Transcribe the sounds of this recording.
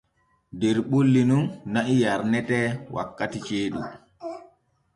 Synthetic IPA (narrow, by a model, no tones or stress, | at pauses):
dɛɾɓolːinunːaʔijaɾnɛtɛwʔa̰kːatit͡ʃeːɗṵ